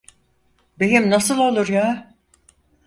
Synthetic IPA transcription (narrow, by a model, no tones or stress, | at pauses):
bejimnasɯlˠo̞lˠuɾjaː